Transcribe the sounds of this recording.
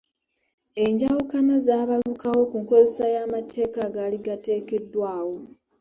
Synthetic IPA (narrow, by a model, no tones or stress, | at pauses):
e̞ɲɟawukanazaːβalukawo̞kuŋko̞ze̞sajaːmatʰe̞ːkaɡaliɡate̞ːke̞dːwaːwo̞